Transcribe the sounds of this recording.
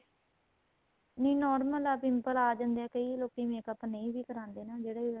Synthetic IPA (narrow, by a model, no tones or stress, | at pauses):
nĩːnɔːɾməlapɪmpəlaːd͡ʒãːnd̪ɛːkəiːloːkiːmeːkəpneiːʋiːkəɾãːnd̪eːnaːd͡ʒeːɽaːi